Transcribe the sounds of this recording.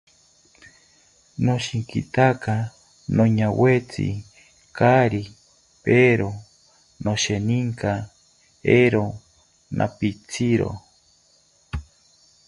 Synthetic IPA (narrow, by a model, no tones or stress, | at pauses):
noʃiŋkḭt̪aka | noɲawet͡sḭ | kaɾi | peɾo | noʃeniŋka | eɾo | nʔa̰pit͡sʰiɾo̰